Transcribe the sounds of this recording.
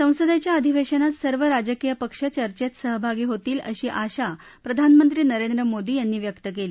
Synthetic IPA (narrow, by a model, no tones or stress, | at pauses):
sə̃w̃səd̪at͡ɕjaəd̪ʱiʋeɕənat̪səɾʋəɾad͡ʑəkijəpəkʂət͡ɕəɾt͡ɕet̪səɦəbʱaɡiːɦot̪iːlə̰ɕiːʔaɕa | pɾəd̪ʱanmənt̪ɾiːnəɾend̪ɾəmod̪iːjanːiːʋjəkt̪ək̬eli